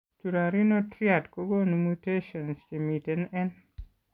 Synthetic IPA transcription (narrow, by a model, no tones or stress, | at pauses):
t͡ʃuɾaɾinotɾiatkoɡonumuteʃɔnst͡ʃemitenɛn